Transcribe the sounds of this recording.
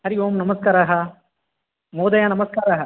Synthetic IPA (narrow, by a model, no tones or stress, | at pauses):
ɐɾɪʋomnɐmɐskaːɾaːɦɐ | moːd̪ɐjaːnɐmɐskaːɾaːɦɐ